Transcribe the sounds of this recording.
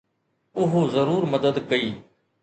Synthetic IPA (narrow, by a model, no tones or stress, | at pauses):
ʊɦozɐɾuːɾmɐd̪əd̪kɐiː